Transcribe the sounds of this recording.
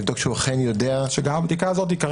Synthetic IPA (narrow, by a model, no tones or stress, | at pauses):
vd̪o̞kʃuaχenjodeaʃeɡamabd̪ikaːzo̞t̪̬ikaʁ